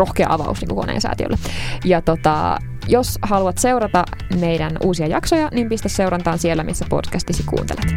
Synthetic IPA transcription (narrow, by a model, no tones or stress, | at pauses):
roxkeɑ̰ʔɑʋɑ̰usniːŋkuko̞nḛːnsæ̰ːt̪iø̰lːejɑt̪ot̪ɑ̰ | joshɑluɑt̪se̞uɾɑt̪ɑ | mejdænʔuːsiɑjɑksojɑnimpist̪æsse̞uɾɑnt̪ɑːnsielːæmḭsːæpo̰dkæst̪isikṵːnt̪ḛlet̪